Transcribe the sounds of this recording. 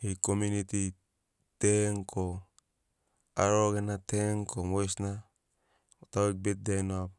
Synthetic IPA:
hikomjunit̪i | teŋkʰo | aɾokenat̪eŋkʰomoisna | ot̪awek̚bet̚denop̚

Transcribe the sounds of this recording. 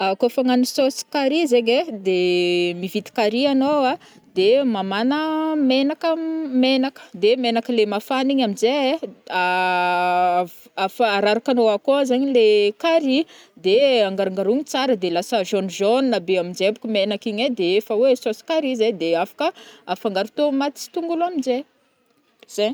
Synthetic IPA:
akofaŋanisosi̥kaɾizeɲed̪emivit̪i̥kaɾianowa | d̪emamanəmenakəmenakə̥d̪emenakəlemafaniɲamizea | afəːɾaɾakanoakozaɲilekaɾi | d̪eaŋɡaɾaŋɡaɾuɲit͡saɾəd̪elasəʒonʒonːabeamind͡ʒebu̥kumenakiɲed̪eefəwesosi̥kaɾized̪eafḁkəafaŋɡaɾut̪omat̪i̥t͡si̥t̪uŋɡuluamid͡ʒe | z̥e

